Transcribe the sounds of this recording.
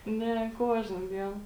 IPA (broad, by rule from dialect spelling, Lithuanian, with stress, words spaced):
ˈnʲɛ ˈkuɔʒnɐ ˈdʲiɛn